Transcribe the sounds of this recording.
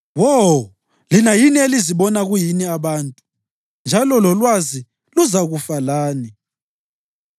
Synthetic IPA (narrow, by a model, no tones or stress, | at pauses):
wɔ | linajinieliziβɔnaɣujiniaβaːntʼu | nd͡ʒʱalɔlɔlwazi | luzaɣufalaːni